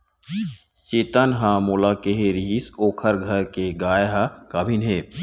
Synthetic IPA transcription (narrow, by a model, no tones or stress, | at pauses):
t͡ʃeːt̪ənɦãmolakeɦeɾiɦisoːkʰəɾɡʱɐɾkeɡaːjɦakabʱinɦeː